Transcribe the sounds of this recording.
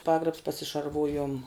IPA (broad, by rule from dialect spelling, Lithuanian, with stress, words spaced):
ˈpɑːɡrɐps pɐsʲɪʃɐrˈʋuːjoːm